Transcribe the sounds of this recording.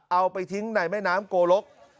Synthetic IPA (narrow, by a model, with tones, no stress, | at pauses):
ʔa˧wpa˧jt̪ʰi˦˥ŋna˨˩jmɛː˥˩jnaː˦˥mkoː˧lo˦˥k̚